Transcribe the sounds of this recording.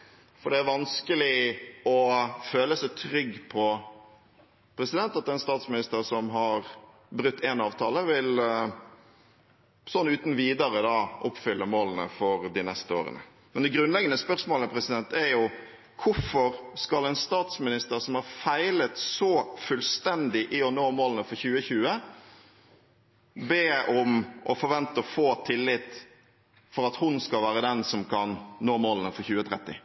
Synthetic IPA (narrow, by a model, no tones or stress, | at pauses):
fɔɾɖɛæɾʋɑnskəlɪɔføːləsɛt̪ʰɾʏɡːpʰɔ | pʰɾɛsɪd̪ɛnt̪ɑt̪ɛnst̪ɑːt̪smɪnɪst̪əɾsɔmɦɑɾ | bɾʉkt̪ːeːnɑːʋt̪ʰɑːləʋɪl | sɔnːʉːt̪n̩ʋiːd̪əɾəd̪ɑːʔʊpːfʏlːəmoːlənə̰fɔɾd̪ɪnɛst̪əo̰ːɾə̰nə̰ | mɛnd̪ɛɡɾʉnlɛɡənəspœʁsmoːləpʰɾɛsɪd̪ɛnt̪æɾjʊ | kʰʊfɔɾskɑlɛnst̪ɑːt̪smɪnɪst̪əɾsɔmhɑɾfæɪlət̪sɔfʉlst̪ɛnd̪ɪʔɪɔnoːmoːlənəfɔɾçʉːəçʉːə | beːɔmʔɔfɔɾʋɛnt̪əɔfoːt̪ʰɪlːɪt̪ | fɔɾɑt̪hʊnskɑlʋæːɾəd̪ɛnsɔmkʰɑnnoːmoːlənəfɔɾçʉːət̪ʰɾɛt̪ːɪ